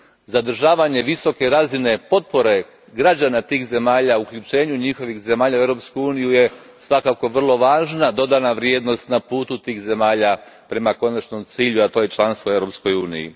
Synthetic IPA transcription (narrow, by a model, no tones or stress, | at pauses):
zad̪r̩ʒaːʋaɲe̞ʋiso̞ke̞ɾazine̞po̞t̪̚po̞ɾe̞ | ɡɾad͡ʑanat̪iːxze̞maːʎaukʎut͡ʃe̞ːɲuɲixo̞ʋixze̞maːʎauevɾo̞pskuuːnijuje | sʋakako̞ʋr̩lˠo̞ʋaːʒnad̪o̞d̪anaʋɾjed̪no̞st̪napuːt̪ut̪iːxze̞maːʎa | pɾe̞mako̞nat͡ʃno̞mt̪siːʎuat̪o̞ːjet͡ʃlˠanst̪ʋoeʋvɾo̞psko̞juːnḭjḭ